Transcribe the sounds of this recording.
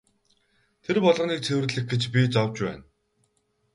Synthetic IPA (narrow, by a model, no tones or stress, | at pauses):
t̪ʰerpɔɮʁ̆niːk̚t͡sʰewɘ̆rɮɘ̆x̚ɡet͡ɕpʲit͡sawt͡ɕpæ̰ːn